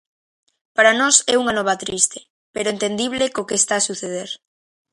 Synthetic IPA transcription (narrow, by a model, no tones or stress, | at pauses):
paɾanɔsɛuŋanɔβ̞at̪ɾist̪e̥ | peɾoent̪end̪iβ̞lekokeːst̪aːsuθeð̞eɾ